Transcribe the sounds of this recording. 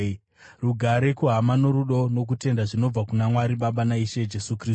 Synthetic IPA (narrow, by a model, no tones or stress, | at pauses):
ruɡʱaɾe̞kuɦamano̞ɾuɗo̞no̞k̬ute̞ndaʐino̞b͡vakunamwaɾiɓaɓanaiʃe̞d͡ʒe̞sukri